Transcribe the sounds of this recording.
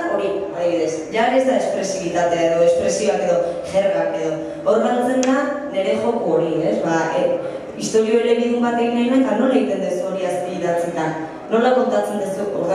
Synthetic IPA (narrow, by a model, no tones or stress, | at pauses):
o̞ɾiaðiβiðe̞sʝaɾezd̪aespɾe̞siβit̪at̪eaeðo̞e̞spɾe̞sio̞ake̞ðo̞ʝe̞rɣake̞ðo̞ | oɾɣalt͡se̞nd̪ane̞ɾe̞ʝo̞kooɾie̞zβa | ist̪o̞ɾio̞eɾe̞ɾiðumbat̪e̞ɣinajnat̪ano̞leɣit̪e̞nd̪esuo̞ɾiaspiiðat͡set̪anː | o̞lako̞nt̪at͡se̞nd̪usuoɾð